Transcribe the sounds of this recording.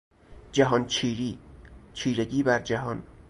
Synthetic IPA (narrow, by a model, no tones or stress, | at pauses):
d͡ʒæɦɒːnt͡ʃʰiːɾiːt͡ʃʰiːɾeɟiːbæɾd͡ʒæɦɒːn